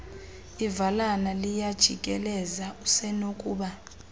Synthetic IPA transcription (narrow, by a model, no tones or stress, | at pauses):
ivalanalijad̥ʒ̥ʱikʼɛlɛzausɛnokʼuːɓa